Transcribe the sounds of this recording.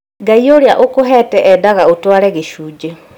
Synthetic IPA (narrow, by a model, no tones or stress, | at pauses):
ɡaioɾeaʔokoɦɛːtɛʔɛdaɣaotwaɾɛɣeʃuːd͡ʒe